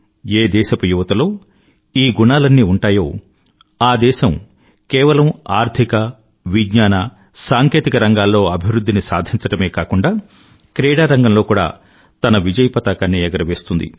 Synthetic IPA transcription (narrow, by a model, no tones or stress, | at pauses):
eːd̪ɛːʃɐpɐjuʋɐt̪ɐlo̞ː | iːɡunaːlɐnːiːuɳʈaːjo̞ː | aːd̪ɛːʃɐm | kɛːʋɐlɐmaːɾt̪ʰikɐ | ʋiɡɲaːnɐ | saːŋke̞ːt̪ikɐɾɐŋɡaːlːo̞ːɐbʱiʋɾud̪ːinisaːd̪ʱiɲt͡ʃɐʈɐme̞ːkaːkuɳɖaː | kɾɛːɽaːɾɐŋɡɐmlo̞ːkuːɽa̰ː | t̪ɐnɐʋid͡ʒɐjpɐt̪aːkaːnːiɛɡɐɾɐʋe̞ːst̪und̪ḭ